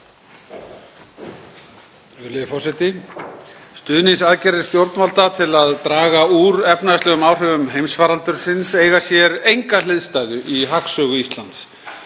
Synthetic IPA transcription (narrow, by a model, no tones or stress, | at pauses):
ʏlɪðɪfɔsɛt̪ɪ | st̪ʏːðnɪnsaðcɛɾɪ̥st̪jowɾt̪nmalt̪at̪ʰɪlaðt̪ɾaːɣauɾɛpnast̪ɛːɣʏmaːwr̥œvʏmɦejmsvaːɾalt̪ʏɾ̥sɪnseːjɣasjɛɾejŋkalɪðst̪aːjðʏʔiɦaksœːɣʏist̪lant̪s